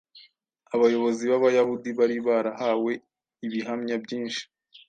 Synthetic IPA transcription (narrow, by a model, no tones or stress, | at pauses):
aβajo̞βo̞ziβaβajahudiβaɾiβaːɾahaːwe̞ | iβiɦamɲabɟiːnʃi̥